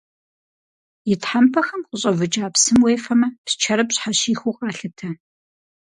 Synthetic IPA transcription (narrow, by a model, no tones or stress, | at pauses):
jɪtħampʰɐxɐmqʼʊɕʼɐvɨt͡ʃʼaːpsɨmweːfɐmɐpst͡ʃʰɐɾɐpɕħaɕiːxʷuqʼɑːɬɨtʰɐ